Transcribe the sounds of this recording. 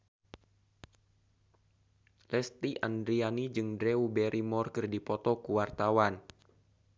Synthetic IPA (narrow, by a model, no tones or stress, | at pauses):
lɛst̪iʔandɾianid͡ʒɨŋdɾɛubɛɾʔimɔrkɨrdipɔt̪ɔkuwart̪awan